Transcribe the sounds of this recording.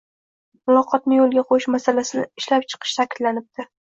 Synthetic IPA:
mʊlˠɒqʰɒt̪̚nɪjolˠɡʲaqʰojɪʃmasalasɪnɪ̰ɪʃlap̚t͡ʃʰɨ̥qʰɨ̥ʃt̪ʰakʲʰɪd̪lanɪp̚d̪̥ɪ

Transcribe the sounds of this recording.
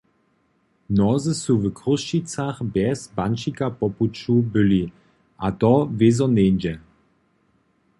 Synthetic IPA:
nɔzɨsuvkruʃt͡ɕitt͡saxbɛzbant͡ʃikapɔput͡ɕubɘli | ʔat̪ɔvezɔnenʲd͡ʑɛ

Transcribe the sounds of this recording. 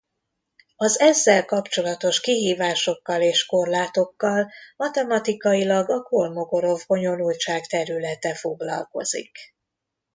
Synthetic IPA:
ɒzɛzːɛlkɒpt͡ʃo̞lɒt̪o̞ʃkiɦiːvaːʃo̞kːɒleːʃko̞rlaːt̪o̞kːɒlmɒt̪ɛmɒt̪ikɒilɒɡɒkolmo̞ɡo̞ɾo̞vɡo̞ɲo̞nult͡ʃaːkt̪ɛɾylɛt̪ɛfo̞ɡlɒ̰lko̞̰z̥ḭk

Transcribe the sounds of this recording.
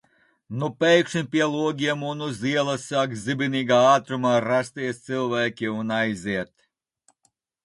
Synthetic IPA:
nupʲɛjkʃɨmʲpʲiɛlˠuɔɡʲiɛmunuziɛlˠasakzʲibʲiniːɡaːaːt̪ɾumaːɾast̪iɛst̪sɨlˠvæːkʲiunajzʲiɛt̪

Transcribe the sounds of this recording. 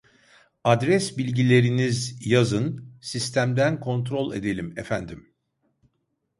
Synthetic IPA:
ad̪ɾɛsbilʲɟilʲe̞ɾinizjazɯnsist̪ʰæmd̪ænkʰo̞nt̪ɾo̞lʲˠe̞̰d̪e̞lʲimefænd̪im

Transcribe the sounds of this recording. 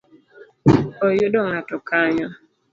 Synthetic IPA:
ɔjʊdɔŋatɔkaɲɔ

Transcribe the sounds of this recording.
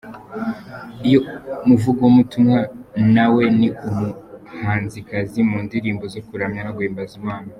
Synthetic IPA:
ijomuvuɡomutumŋanawe̞niumuhaːnzikazimuːndiɾiːmbo̞zokuɾamɲanaɡweːmbazimwaːna

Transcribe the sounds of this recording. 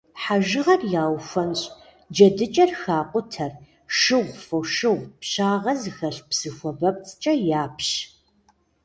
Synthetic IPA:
ħaʒɨʁɐrjaːwxʷɐnɕʼ | d͡ʒɐdɨt͡ʃʼɐrxaːqʷʼʊtʰɐr | ʃɨʁʷfɐwʃɨʁʷpɕaːʁɐzɨxɐɬpsɨxʷɔbɐp̚t͡sʼt͡ʃʼɐjaːpʰɕ

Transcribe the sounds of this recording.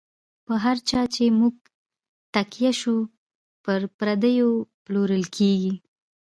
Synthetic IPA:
pəɦaɾt͡ʃɑt͡ʃemuɡ̚ | t̪akjaʃu | pəɾpɾad̪əjoploɾəlkʰeɡi

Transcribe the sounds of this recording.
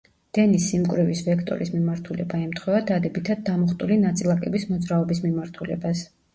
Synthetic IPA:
d̪̥ɛnisimkʼwɾɛvisvɛkʰt̪ʼɔ̰ɾismimaɾt̪ʰulɛbaɛmt̪ʰχwɛvad̪ad̪ɛbit̪ʰad̪̚ːamɔχt̪ʼulinat̪sʼilˠakʼɛbismɔd̪zɾaɔbismimaɾt̪ʰulɛ̰bas

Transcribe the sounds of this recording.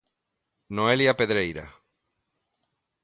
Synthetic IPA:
noeljapeðɾejɾa̰

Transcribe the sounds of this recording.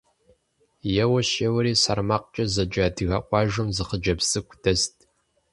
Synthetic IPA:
jɛwɐʃewɐɾiːsɐrmaːq̚t͡ʃʼɐzɐd͡ʒʼaːdɨɣɐqʷɑːʒɨmzɨχəd͡ʒɐbsɨkʷʰʼdʰɐstʰʼ

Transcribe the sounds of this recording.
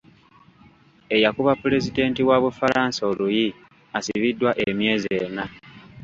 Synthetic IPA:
e̞jakuβapːule̞zide̞ːntiwaβufalaːnsoluji | asiβidːwaʔemje̞ːze̞ːna

